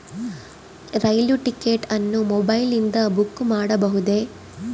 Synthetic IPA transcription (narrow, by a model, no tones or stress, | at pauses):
ɾɐjljuʈikeːʈɐnːumɔbɐjlind̪ɐbukːmaːɽɐbɐɦud̪e̞